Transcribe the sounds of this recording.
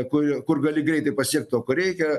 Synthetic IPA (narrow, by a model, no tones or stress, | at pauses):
kʊkʊrɡɐlʲɪɡɾʲɛɪt̪ɐɪpɐsʲiɛk̚t̪t̪oːkoɾʲɛɪkʲɛ